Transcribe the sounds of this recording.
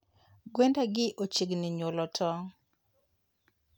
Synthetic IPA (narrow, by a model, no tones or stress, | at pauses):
ɡwendaɡɪʔot͡ʃiɡnɪɲolɔtʰɔ